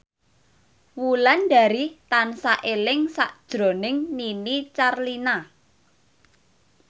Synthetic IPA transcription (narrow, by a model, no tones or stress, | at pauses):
wulanɖa̤ɾit̪ansaʔelɪŋsa̰ʔd̥d̥ʒ̥ɾo̤nɪŋninit͡ʃarlina